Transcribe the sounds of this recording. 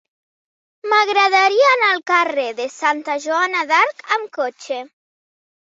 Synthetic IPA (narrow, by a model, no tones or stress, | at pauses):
maɣɾaðaɾiaːnalˠkareðesant̪aʒuanaðaɾkamkot͡ʃe